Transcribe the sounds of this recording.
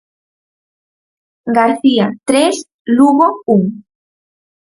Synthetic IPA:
ɡaɾθiat̪ɾes | luɣouŋ

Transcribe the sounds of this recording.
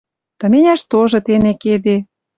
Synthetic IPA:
t̪ə̆menʲæʃt̪oʒɤ̆t̪eneked̪e

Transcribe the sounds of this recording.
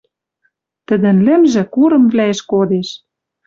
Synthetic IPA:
t̪ɘ̆d̪ɘ̆nlɘ̆mʒɘ̆kuɾɤ̆mvlʲæeʃkod̪eʃ

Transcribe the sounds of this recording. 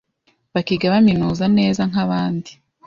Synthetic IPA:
βakiɡaβaminuːzane̞ːzaŋ̥aβaːndi

